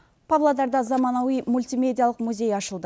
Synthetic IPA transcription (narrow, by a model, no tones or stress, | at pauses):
pʰavlˠad̪ɑɾd̪ɑzɑmɑnɑwijmulʲt̪ime̞d̪ʲijalˠəqmuzʲe̞jɑʃəlˠd̪ə